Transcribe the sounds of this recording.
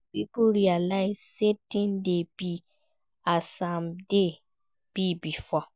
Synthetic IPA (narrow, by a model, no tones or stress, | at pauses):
bibuɾialaisetĩndebi | asãmde | b̥ibifɔ